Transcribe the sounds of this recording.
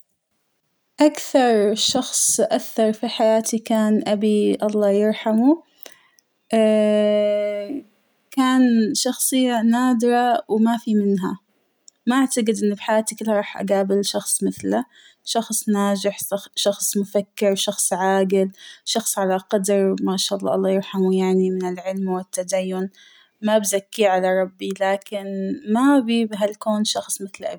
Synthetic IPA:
ʔakθɑɾˤʃɑxsˤʔaθːɑɾˤfiħajaːt̪ʰikaːnʔabiʔɑlˤːɑːjɪɾˤħamu | ʔa | kaːnʃɑxsˤɨjːanaːd̪ɾɑwmafimɪnɦa | maʔaʕt̪aqɪd̪ʔɪnːbħajaːt̪ikɪlːhaɾˤɑːħʔa̰ɡaːbɪlʃɑxsˤmɪθla | ʃɑxsˤnaːd͡ʒɪħʃɑxsˤmʊfakːɪɾʃɑxsˤʕaːɡɪlʃɑxsˤʕalaqɑd̪ɾmaːʃaːʔɑlˤːɑ̰ːʔɑlˤːɑːjuɾħamujaʕnimɪnɪlʕɪlmwɪt̪ːad̪ajːʊn | mabzakːiʕalaɾˤɑbːilaːkɪnmabibɦalkoːnʃɑxsˤmɪθlʔa̰

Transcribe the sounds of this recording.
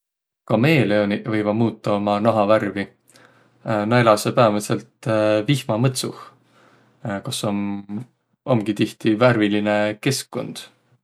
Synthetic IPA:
kɑmeːleonivɤjvɑmuːt̪ːˑɑo̞mɑnɑɦɑværvi | nɑelɑsepæɑvɑse̞lt̪vihmɑmɤt̪suh | kosom | o̞mɡ̥it̪iht̪iværviline̞ke̞skːo̞̰nd̪̥

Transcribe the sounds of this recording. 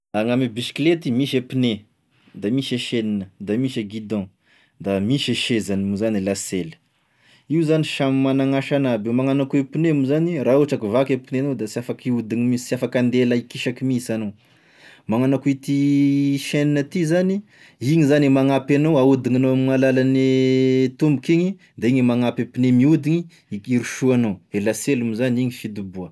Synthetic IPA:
aŋamibisi̥klet̪imiʃepine | d̪amiʃeʃeninəd̪amiʃeɡid̪ɑ̃ | d̪amiʃeʃezanmuzanilaselə̥ | iwzaniʃamimanaŋaʃanabewmaŋanakuepinemuzanirauaʈ͡ʂakivakepineanowd̪asiafakiud̪iŋimisiafakand̪elaikiʃakimisanow | maŋanakuit̪iʃeninət̪izani | iɲizanimaŋapanowaud̪iŋanoamiŋalalanit̪umbukiɲi | d̪aiɲmaŋapepinemiud̪iɲi | iɾuʃuanowelaselumuzaniɲifid̪ubuə

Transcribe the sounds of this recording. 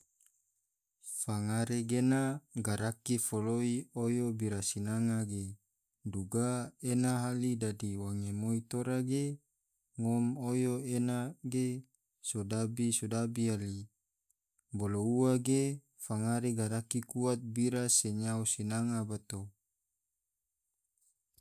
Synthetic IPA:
faŋaɾeɡenaɡaɾakifoloiojobiɾasinaŋaɡe | duɡaenaɦalidadiwaŋemoit̪oɾaɡe | ŋɔmojoenaɡe | sodabisodabiali | bolouwaɡe | faŋaɾeɡaɾakikuat̪̚biɾaseɲaosinaŋabat̪o

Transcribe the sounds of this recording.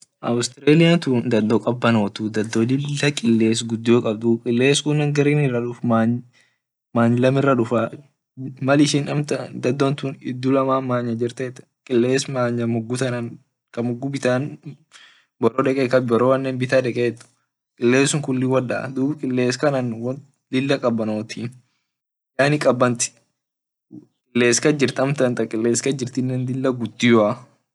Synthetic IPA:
ʔɐ̰wst̪ɪɾeːlɪat̪uːnd̪ɐd̪ːokʼɐbːɐnoːt̪ud̪ɐd̪ːoːdɪːɐkʼɪlːeːs̬ɡʊd̪ːoːkʼɐb̚d̪ukʼɪlːeːskʊnːɐŋɡɐɾiːnɪrːɐᶑʊfma | maːɲːɪlɐmɪrːɐᶑʊfɐ | mɐlɪʃɪnᶑɐmt̪ɐd̪ɐd̪ːont̪uːnɪ̰d̪ːʊlɐmaːmaːɲːɐd͡ʒɪɾt̪eːt̪ː | kʼɪlːeːsmaːɲːɐmʊɡːʊt̪ɐnɐn | kɐmʊɡːʊbɪt̪aːn | bɔɾoːᶑɛkʼɛkɐbɔɾowɐnːenbɪt̪aːdɛkʼet̪ːʊ̥ | kʼɪlːeːsʊŋkʊlːɪwɐlɐ̰d̪uːbkʼɪlːe̞ːskɐnɐnwɐ | d̪ɪlːɐkʼɐbːɐnoːt̪ʰi | jaːnɪkʼɐbːɐnt̪ɪ̥ | kʼɪlːe̞ːskɐd͡ʒɪɾt̪ɐmt̪ɐnt̪ɐkʼɪlːeːskɐd͡ʒɪɾt̪ɪnːɛnd̪ɪlːɐɡʊd̪ːɪjʊa

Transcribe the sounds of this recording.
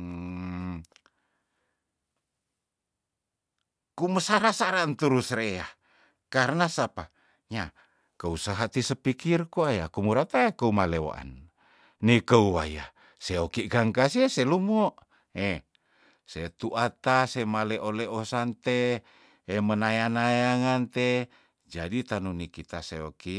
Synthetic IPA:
kuməsaɾasaɾant̪uɾusrea | kaɾənasapa | ɲa | kəusaɦat̪isəpikirkuaja̰kumuɾat̪aekəumalewa̰ʔa̰n | nikəua̰ja | seokiʔɡaŋkasieselumoʔ | e | set̪uʔat̪asemaleʔoleʔosant̪eː | mənajanajaŋant̪e | d͡ʒadit̪anunikit̪aseo̰ki

